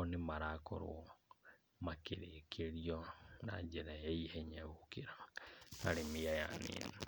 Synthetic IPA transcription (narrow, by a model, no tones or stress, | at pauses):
ɔnemaɾakɔ̰ɾo̰ | makeɾekʰeɾiɔna̰d͡ʒeɾajaihɛɲaokeɾaaɾemiaja̰nḛːne